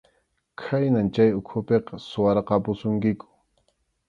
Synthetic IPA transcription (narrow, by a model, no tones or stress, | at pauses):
kʰajnant͡ʃajʊkʰʊpeqɑsʊwɑɾqɑpʊsʊŋkɪkʊ̥